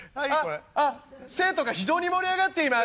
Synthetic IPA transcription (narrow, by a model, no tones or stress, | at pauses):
ase̞ːt̪o̞ɡaçid͡ʑo̞ːɲ̟imo̞ɾʲiaɡat̪ːe̞ima